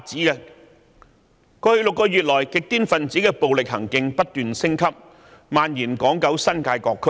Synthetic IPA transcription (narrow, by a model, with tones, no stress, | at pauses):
t͡siː˨˥kɛ˧ | kɔː˧hɵ˧ɥlʊ˨kːɔː˧jyː˨t̚lɔː˨˩jkɪ˨k̚t̪iː˥nfɐ˨nt͡siː˨˥kɛː˧po˨wlɪ˨k̚hɐ̰˨˩ŋkɪ˨ŋpɐ˥t̚t̪yː˨nsɪ˥ŋkʰɐ˥p̚ | maː˨njiː˨˩nkɔː˨˥ŋkɐ˨˥wsɐ˥nkaː˧jkɔː˧kʰːɵ˥